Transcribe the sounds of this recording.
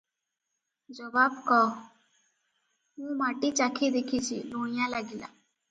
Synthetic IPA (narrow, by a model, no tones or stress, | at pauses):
d͡ʒəʋaːbkɔː | ɦũːmaːʈit͡ʃaːkʰid̪eːkʰiːt͡ʃʰḭːloːɪjãːlaːɡila̰ː